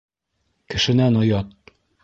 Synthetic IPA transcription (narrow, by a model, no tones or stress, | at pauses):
kɘ̆ʃɘ̆nænojɑt̪̚